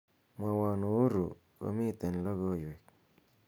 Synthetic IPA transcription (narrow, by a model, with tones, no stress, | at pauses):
mwa˨wa˨no˨˦ɾṵ˨ | ko̰˨mi˦˨t̪e˨n˨lɔ˦ɣɔ˦jwe˨k̚